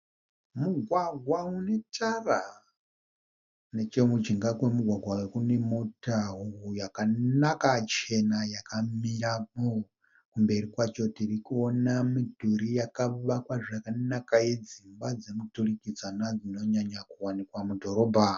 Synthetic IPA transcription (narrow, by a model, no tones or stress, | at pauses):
muɡʱwaɡʱwaune̞tʰara | ne̞t͡ʃemud͡ʒiŋɡakwe̞muɡʱwaɡʱwawekune̞motaɦuɦujakanakat͡ʃe̞najakamiɾamo | kumbe̞ɾikwat͡ʃo̞tirikuonamidʱuɾijakaʋakwaʐijakanakajed͡zimbad͡zemuturikid͡zanad͡zino̞ɲaɲakuwanikwamudʱo̞ɾo̞ːbʱa